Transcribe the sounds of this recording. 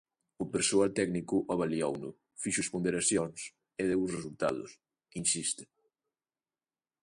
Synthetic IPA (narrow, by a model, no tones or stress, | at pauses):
ʊpeɾsoalt̪ɛɡnikʊʔɔβaliɔwnʊ̰ | fiʃʊspond̪eɾasjɔns | eðewʊsresult̪a̰ðʊ̰s | insist̪ɪ̥